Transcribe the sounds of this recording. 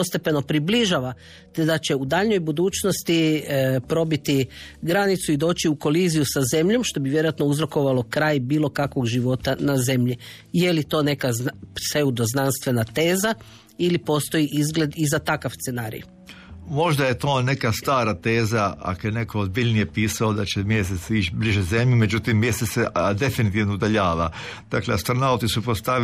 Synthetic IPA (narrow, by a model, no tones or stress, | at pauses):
ost̪e̞pe̞no̞pɾibliʒaːʋa | t̪ed̪at͡ɕe̞ud̪aʎɲo̞jbud̪uːt͡ʃno̞st̪ipɾo̞bit̪iɡɾanit̪suid̪o̞ːt͡ɕiuko̞liːzijusaze̞mʎo̞mʃt̪o̞biʋjeɾojat̪no̞uzɾo̞ko̞ʋalˠo̞kɾaːjbiːlˠo̞kakʋo̞ɡʒiʋo̞t̪anaze̞mʎi | jelit̪o̞ːne̞kase̞ud̪o̞znanst̪ʋe̞nat̪e̞ːza | ilipo̞st̪o̞jiʔizɡle̞d̪izat̪akaʋst̪se̞naːɾḭj | mo̞ʒd̪aje̞t̪o̞ːne̞kastt̪aːɾat̪e̞ːzaa̰kojene̞koozbiʎnijepiːsaod̪at͡ɕemjes̬esit͡ʃbliʒeze̞mʎumed͡ʒut̪imːjeset̪sed̪e̞finit̪iʋnoud̪aʎaːʋa̰d̪akleast̪ɾanaut̪isupɾost̪a